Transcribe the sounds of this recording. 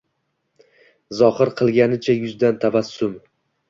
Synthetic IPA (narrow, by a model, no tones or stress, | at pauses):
zɒhɨɾqʰɨlˠɡʲanɪt͡ʃʰajʊzd̪ant̪ʰavasːʊm